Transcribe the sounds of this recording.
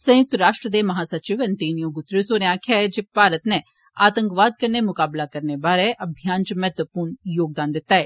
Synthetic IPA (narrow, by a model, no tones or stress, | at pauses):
sə̃jʊk̚t̪ɾaːʂʈɾəd̪eːməɦãːsət͡ʃiːʋənt̪iːnijõːɡʊt̪ːɾisoːnẽaːkʰjaːɛd͡ʒeːpaːɾət̪neː | a̰ːt̪əŋkʋaːd̪̚kəɾneːmʊkaːblaːkəɾneːbaːɾɛːʔəbʱɪjãːnd͡ʒmɛːt̪ʋəpuːnjoːɡ̚d̪ãːnd̪ɪt̪ːaːɛː